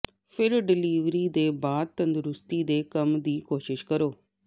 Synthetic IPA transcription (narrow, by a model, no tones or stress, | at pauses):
pʰɪɾɖɪliːʋɾiːd̪eːbaːd̪̚t̪ə̃nd̪ɾʊst̪iːd̪eːkəmd̪iːkoːʃɪʃkəɾoː